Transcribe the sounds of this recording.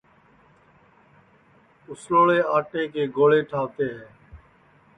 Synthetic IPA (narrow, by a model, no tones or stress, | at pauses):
ʊsloːɭeːaːʈeːkeːɡoːɭeːʈʰaːʋt̪eːɦɛː